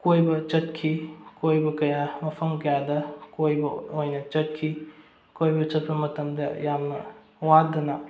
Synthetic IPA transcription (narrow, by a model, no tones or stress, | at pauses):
kojbɐt͡ʃɐt̚kʰikojbɐkɐjamɐpʰɐmkɐjadɐkojbɐojnɐt͡ʃɐt̚kʰi | kojbɐt͡ʃɐt̚pɐmɐtɐmdɐjamnɐ | wadɐnɐ